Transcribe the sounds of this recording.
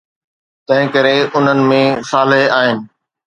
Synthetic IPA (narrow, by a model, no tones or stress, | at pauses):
t̪ɐ̃ɦɪ̃kɐɾeʊn̤ənɪ̆mẽsaːleɦaːɦɪnɪ̆